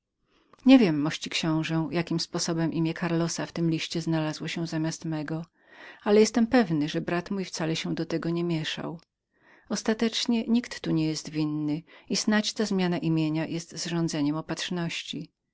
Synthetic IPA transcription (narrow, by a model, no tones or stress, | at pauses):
ɲɛvʲjɛmːɔɕt͡ɕikɕɔ̃w̃ʐɛjakʲimspɔsɔbɛmʔimʲjɛkʰaɾlɔsaft̪ɘmlʲiɕt͡ɕɛznalazwɔɕɛw̃zamʲjast̪mɛɡɔ | alɛjɛst̪ɛmpɛvnɘʐɛbɾat̪mujft̪salɛɕɛ̃d̪ɔt̪ɛɡɔɲɛmʲjɛʂa̰w | ɔst̪at̪ɛt͡ʂɲɛɲikt̪ːuɲɛjɛst̪vʲinːɘisnat͡ɕt̪azmʲjanaʔimʲjeɲajɛst̪zʐɔ̃nd̪zɛɲɛmɔpatʂnɔɕt͡ɕi